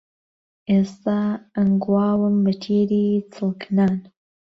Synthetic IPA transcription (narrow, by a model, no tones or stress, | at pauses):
ʔeːst̪aənɡuwaːwɨmbɐt̪ʰiːɾiːt͡sʰɨlˠkʰnaːn